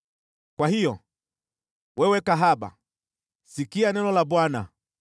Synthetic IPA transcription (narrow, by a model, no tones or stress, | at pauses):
kwahijɔ | wʔɛwɛkaɦaɓa̰ | sikianɛnɔlaɓwana̰